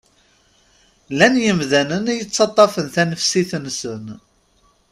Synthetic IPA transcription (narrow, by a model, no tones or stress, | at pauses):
lænjəmðænənijət͡sːɑt̪ˤːɑfənθænəfsiθənsən